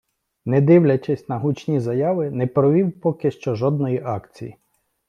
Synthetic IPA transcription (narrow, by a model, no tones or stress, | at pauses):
nɛd̪ɪwlʲɐt͡ʃɪsʲnɐɦut͡ʃnʲizɐjɑʋɪnɛpɾɔʋʲiwpɔkɪʃt͡ʃɔʒɔd̪̚nɔjiʔɑkt͡sʲḭjḭ